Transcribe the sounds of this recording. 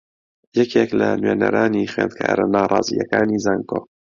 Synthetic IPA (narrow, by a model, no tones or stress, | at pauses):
jɛkeklɐnweːnɐɾaːniχweːnd̪̚kʰaːɾɐnaːrˤɑːziːjɐkaːniːzaŋɡoː